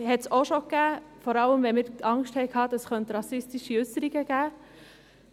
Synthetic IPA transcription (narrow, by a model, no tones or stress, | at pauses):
hɛt̪soʃok̚ɡ̥æːfɔɾɑləmʋɛmɪɾɑŋʃthɛɪkhɑt̪əskʰœnt̪ɾɑsɪst̪ɪʃiʉsəɾɪɡəɡ̥æː